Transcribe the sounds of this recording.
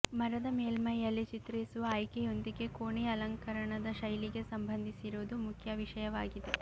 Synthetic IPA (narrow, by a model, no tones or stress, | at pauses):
mɐɾɐd̪ɐmeːlmɐjːɐlːit͡ʃit̪ɾisuʋɐːjkejo̞nd̪iɡe̞koːɳiɐlɐŋkɐɾɐɳɐd̪ɐʃɐjliɡe̞sɐmbʱɐnd̪ʱisiɾuːd̪umukʰjɐʋiʂɐjɐʋaːɡid̪e̞